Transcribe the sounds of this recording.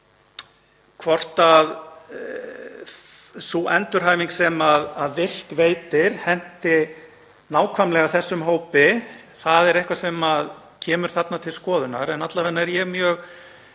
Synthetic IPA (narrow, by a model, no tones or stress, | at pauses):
kʰvɔr̥t̪að | suʔɛnt̪ʏɾ̥ɦaːjviŋksɛmaðaðvɪr̥kveːjt̪ɪɾ̥hɛn̥t̪ɪ | naːwkʰvamlɛɣaθɛsːʏmɦoːwpɪ | θaðɛɾejhkvasɛmað | cʰɛːmʏɾ̥θat̪nat̪ʰɪlskɔːðʏnaɾɛnat̪lavɛnːaɛɾjɛɣmjœːɣ